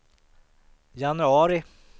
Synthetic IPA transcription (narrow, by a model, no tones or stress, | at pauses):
janʉɑːɾɪ